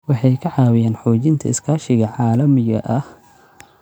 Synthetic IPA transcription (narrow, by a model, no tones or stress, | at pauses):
wɑħɑjkʰɐʕɑːwɪjaːnħɔːt͡ʃɪnt̪ʰɐ̰ɪskʰaːʃɪɣɐʕɑːlɐmɪɣɐ̰ʔɐh